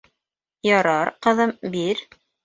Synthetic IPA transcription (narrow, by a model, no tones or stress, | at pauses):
jɑɾɑɾqɤ̆ðɤmbiɾ